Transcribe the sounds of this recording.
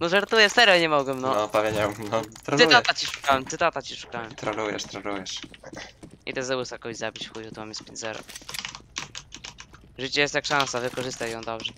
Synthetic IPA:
nɔʐaɾt̪ujɛsɛɾɛɲɛmɔɡwɛmnɔɔpavʲeɲawnɔt̪ɾasɨat̪at͡ɕiʂu̥kawɛmt̪sɨt̪at̪at͡ɕiʂu̥kawɛmt̪ɾanujɛ̰ʂt̪ɾɛnujɛʂ | ḭt̪ɛzɛwusakɔzabʲit͡ɕfxujut̪umamjɛspʲḛ̃ɲd͡ʑzɛɾɔ̰ | ʐɘt͡ɕɛjɛst̪ʲjakʂãnsavɘkɔʐɘst̪ajjɔ̃w̃d̪ɔbʐɛ

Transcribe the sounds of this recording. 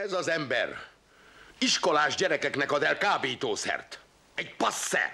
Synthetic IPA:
ɛzɒzɛmbɛ̰r | iʃko̞laːʒɟɛɾɛkɛknɛkɒzɛlkaːbiːt̪oːsɛ̰rt̪ | ɛɟpɒsːɛ̰

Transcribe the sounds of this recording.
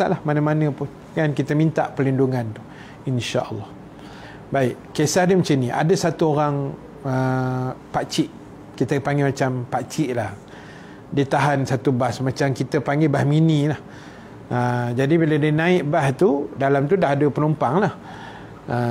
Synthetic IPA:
aʔlahmanəmanə̃pʊn | ŋankit̪əmint̪aʔpərlinduŋant̪u̥ | inʃaʔə̰lːɑh | baɪʔ | kesahdəmat͡ʃaniʔa̰dəsat̪uoɾaŋ | ə | pat͡ʃɪʔ | kit̪əpaŋɡemat͡ʃampat͡ʃiʔlah | diət̪aɦansat̪ubasmat͡ʃamkit̪əpaŋɡebahminĩlah | əd͡ʒadibiladiənãɪʔbast̪udalamt̪udaɦadəpənumpaŋlah | ʔə

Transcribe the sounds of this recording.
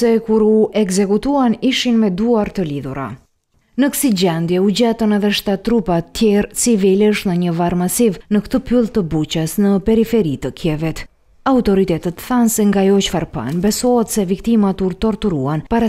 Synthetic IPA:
sɛkuɾuʔɛɡzɛkut̪uaniʃinmɛd̪uaɾt̪əliðuɾa̰ | nəkə̥sid͡ʑɛnd̪jɛud͡ʑɛt̪ɔnɛðɛʃt̪at̪ːɾupat̪ːjɛɾt͡sivilɛəʃnəɲəvaɾmasivnəkt̪əpylˠt̪əbut͡ɕəsnəpɛɾifɛɾit̪əkjɛvɛt̪ | aut̪ɔɾit̪ɛt̪ət̪θansɛŋɡajɔt͡ʃfaɾpa̰nbɛsɔɦɛt̪sɛvikt̪imat̪uɾt̪ɔɾt̪uɾuanpaɾa

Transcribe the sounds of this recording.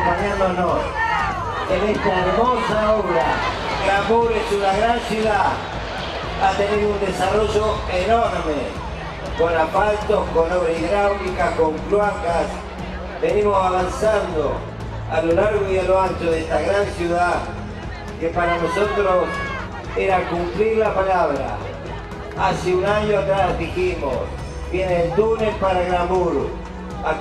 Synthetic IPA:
paɲanono | enest̪aeɾmosaoβɾa | kɾamuɾesunaɣɾansjuða | at̪eneɾund̪esaroʒoenoɾme | konapalt̪oskonoβɾeiðɾawɣikakoŋklwakas | benimosaβansand̪o | a̰lolaɾɣoieloant̪oðest̪aɣɾansjuða | kepaɾanosot̪ɾos | eɾakumpliɾlapalaβɾa̰ | asiunaɲoat̪ɾazðiximo̰s | bjeneld̪unespaɾanamuɾṵ | a

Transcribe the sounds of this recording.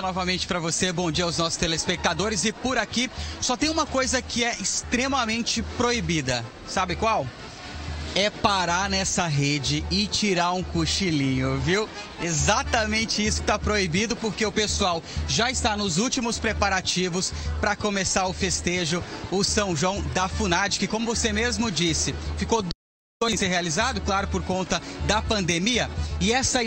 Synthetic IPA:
ɐnɔvɐmẽt͡ʃɪ̥pɾɐvosebõd͡ʒiɐawznɔsʊ̥st̪elespek̚t̪ad̪oɾɪzɪpʊɾakisɔt̪ẽj̃ũmɐkojzɐkɪɛɪst̪ɾemɐmẽnt͡ʃɪpɾoibid̪ɐ | sabɪkwaw | ɛpaɾaɾnɛsɐɦed͡ʒɪɪt͡ʃiɾaɾũkuʃilĩɲʊviw | ezat̪ɐmẽnt͡ʃɪisʊkɪ̥t̪apɾoibid̪ʊpoɾkeʊpesuawʒaɪst̪anʊzuwt͡ʃimʊspɾepaɾat͡ʃivʊspɾɐkomesaɾʊfest̪eʒʊʊsɐ̃w̃ʒuɐ̃w̃d̪ɐfunad͡ʒɪkɪkõmʊvosemezmʊd͡ʒisɪfikod̪ | oseɾɦealizad̪ʊklaɾʊpoɾkõnt̪ɐd̪ɐpɐ̃nd̪emiɐɪɛsɐ

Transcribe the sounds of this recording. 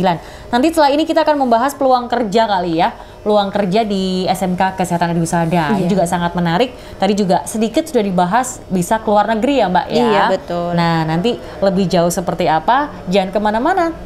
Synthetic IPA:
ilan | nant̪ist̪əlainikit̪aːkanməmbaɦaspəluaŋkərd͡ʒakalija | pəluaŋkərd͡ʒadiɛsɛmkakəsiɦat̪anadiusadaid͡ʒuɡasaŋat̪̚mənaɾɪk̚ | t̪adid͡ʒuɡasədikɪt̪̚sudahdibaɦas | bisakəluarnəɡɾijamba̰ʔjʔaabət̪ʊnahnant̪i | ləbɪhd͡ʒaʊhsəpərt̪iapa | d͡ʒankəmanamana

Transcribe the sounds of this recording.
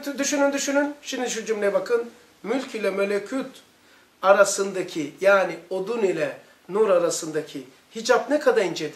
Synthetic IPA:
d̪yʃynynd̪yʃynynʃimd̪iiʃud͡ʒumlʲɛjbakʰɯn | mylʲcilʲɛmelʲecʰut̪ | aɾasɯnd̪acʰijaːniod̪unilʲɛ | nuɾaɾasɯnd̪acʰi | hid͡ʒapnɛkʰad̪aɾind͡ʒed̪i

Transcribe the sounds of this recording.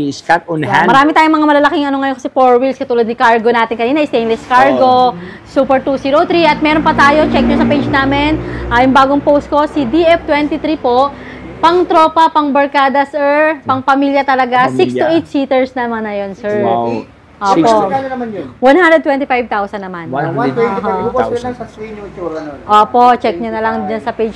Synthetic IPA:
skaʊnhamɐɾaːmɪt̪aːjʊŋmɐŋamɐlɐlɐkɪŋɐnoŋɐjokɐsɛpoɹwilskɐt̪uːlɐd̪nɪkaɹɡo̞naːt̪ɪnkɐniːnɐʔɪst̪ejnlɛskaɹɡo̞ | suːpɛɹt̪uːsiːɾowt̪ɾiʔɐt̪̚mɛɾonpɐt̪aːjo̞t͡ʃɛk̚ɲosɐpejd͡ʒnaːmɪnʔajʊŋbaːɡoŋpowst̪̚ko̞sid̪iʔɛft̪wɛnt̪it̪ɾipo̞ʔ | pɐŋt̪ɾoːpɐpɐŋbɐɹkaːd̪ɐsʔɛɹpɐŋpɐmiːljɐt̪ɐlɐɡasiksʊʔejt̪̚siːt̪ɛɹsnɐmanːɐjonsɛɹ | ʔoːpoaɐnɐmanjowɐnhand̪ɾɛd̪̚wɛnt̪ɪfajb̚t̪awsɐnːɐmanɛɦɐɐɐiuuɐʔoːpo̞ʔt͡ʃɛk̚ɲɐnɐlɐŋd͡ʒɐnsɐpejd͡ʒ

